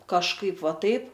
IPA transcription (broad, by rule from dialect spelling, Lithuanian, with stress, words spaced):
kɐʃˈkɐɪp ˈʋɐ ˈtɐɪp